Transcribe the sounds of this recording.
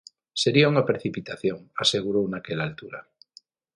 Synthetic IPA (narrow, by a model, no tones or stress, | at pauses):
seɾiauŋapɾeθipit̪aθjoŋaseɣuɾownakelalt̪uɾa̰